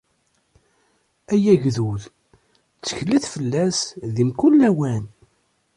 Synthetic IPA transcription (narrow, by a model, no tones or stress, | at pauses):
æjæʝðuð | t͡sːə̥çəlːæθfəlːæsðimkulːæwæn